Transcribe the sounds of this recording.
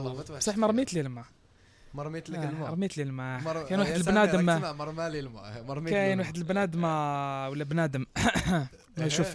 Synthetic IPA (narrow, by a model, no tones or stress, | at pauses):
sˤiħməɾˤmijt̪lilma | ɾˤmjt̪ɾˤmijt̪lilmækænwaħəd̪əlbnæd̪əmɾˤmælilmamˤkænwaħəd̪əlbnæd̪mæwəlːæbnæd̪əm | mæjʃuf